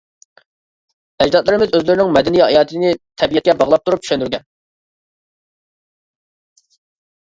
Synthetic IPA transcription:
ɛd͡ʒd̪ɑt̪lˠɨɾɪmɪzøzlɪɾɪnɪŋmɛd̪ɛnijhɑ̰jɑːt̪ʰɨnɪt̪ʰɛbijɛt̪̚kʲɛbɑʁlˠɑp̚t̪ʰuɾupy̥ʃɛnd̪yɾɡʲɛn

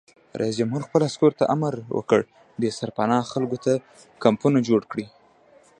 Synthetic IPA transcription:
ɾʔa̰is̬d͡ʒamɦuɾxpəlaskoɾt̪aʔamaɾwə̰kə̰ɽ | d̪əsaɾpanɑxalɡot̪a | kampunad͡ʒoɽkɽi

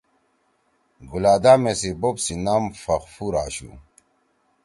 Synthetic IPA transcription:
ɡulaːd̪aːmesibopsinamfɐχfuɾaːɕṵ

